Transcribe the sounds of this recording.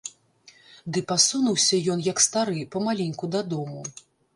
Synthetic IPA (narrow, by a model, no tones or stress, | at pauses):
d̪ɨpasunuwsʲɐjɔnjɐkst̪aɾɨpɐmalʲɛnʲkud̪ɐd̪ɔmu